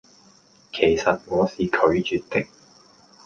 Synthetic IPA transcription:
kʰe˨˩jsɐ˨t̚ŋɔː˨˧siː˨kʰɵ˨˧˥ɥt͡ʃyː˨t̚t̪ɪ˥k̚

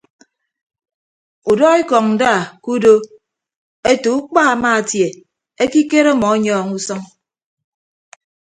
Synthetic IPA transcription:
u˨dɔ˦i˦kɔ˨ŋn̩˨daː˦˨ku˦do˦ | e˦tu˨u˦k͡pa˦a˨maː˦a˨tje˨ | e˦ki˦ke˦ɾɔ˦mɔ˨a˦ɲɔː˦˨ŋu˦sɔ˦ŋ

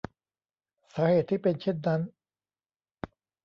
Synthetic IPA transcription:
saː˩˦heː˨˩t̪ʰːiː˥˩pe˧nt͡ɕʰe˥˩nːa˦˥n

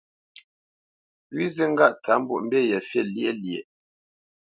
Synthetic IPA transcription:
wi˦zə˦ŋ̩˦ɡa˦˨ʔt͡sa˨˦m̩˦bṵ˨ʔm̩˦be˦˨jɛ˨fje˦˨lje˦˨lje˨

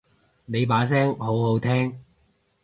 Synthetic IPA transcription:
ne˨˧jp̬aː˨˥s̬ɛː˥ŋɦo˨˥wɦo˨˥wt̪ʰɛː˥ŋ

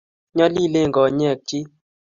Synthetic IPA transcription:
ɲɔ˦li˦˨le˦˨ŋ˨ɡɔ˨ɲ˦ɛ˦˨k̚t͡ʃi˦

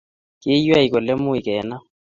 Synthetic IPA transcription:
kʼɪ˦jwa˦i˨k̬ɔ˨lɛ˦mʊ˦i˨kɛː˨˦na˦

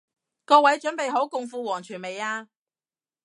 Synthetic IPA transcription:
kɔː˧wɐ˨˥jt͡ʃɵ˨˥npe˨jɦo˨˥wkʊ˨˧ŋfuː˧wɔː˨˩ŋt͡ʃʰyː˨˩nme˨jaː˧

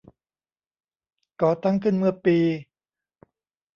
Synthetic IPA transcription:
kɔː˨˩t̪a˥˩ŋkʰɯ˥˩nmɯ˥˩ɐpiː˧

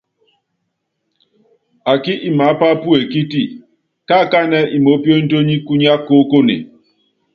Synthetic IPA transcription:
a˨kɪ˦ʔi˨ma˨˦pa˦pu˦e˨ki˦ti˦ | ka˦˨ka˦nɛ˦ʔi˨mo˦pjo˦n̩˦do˦ɲi˦ku˦ɲa˦ko˦ko˦nḛ˨

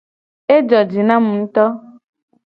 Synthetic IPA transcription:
e˦d͡ʒɔ˨d͡ʒi˨nã˦mũ˨n̩˦t̪ɔ˦

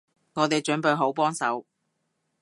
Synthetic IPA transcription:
ŋɔː˨˧t̪e˨jt͡ʃɵ˨˥npɵ˨˧ɥɦo˨˥wpɔː˥ŋsɐ˨˥w

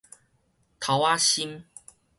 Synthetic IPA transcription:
t̪ʰa˨˦wa˦ɕi˦m

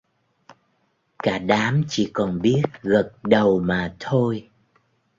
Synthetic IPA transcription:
kaː˧˩ɗaː˨˦mt͡ɕi˧˩˦kɔ˨˩nɓi˦˥ət̚ɣə˨˩t̚ɗə˨˩wmaː˨˩t̪ʰo˧j

